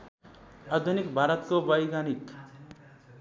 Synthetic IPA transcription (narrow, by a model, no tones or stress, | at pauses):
ad̪ʱunikbʱaɾʌt̪kobʌjɡanik